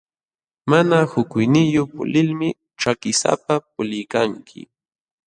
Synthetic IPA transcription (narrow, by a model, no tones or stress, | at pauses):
manahʊkʊjnɪjopʊ̰lɪlmɪ | t͡ʃakɪsa̰pap̚ʊlɪjkaŋkʰɪ̰